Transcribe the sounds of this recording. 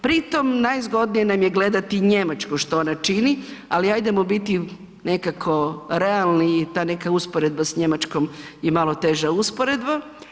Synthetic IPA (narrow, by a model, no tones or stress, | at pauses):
pɾit̪o̞mnajzɡo̞d̪nijenamje̞ɡled̪at̪iɲemat͡ʃkoʃt̪oonat͡ʃinialiajd̪emobit̪i | nekakʰo̞ɾealˠnit̪aːne̞kauspoɾed̪̚basɲemat͡ʃko̞mjemalˠo̞t̪e̞ʒauspoɾed̪ba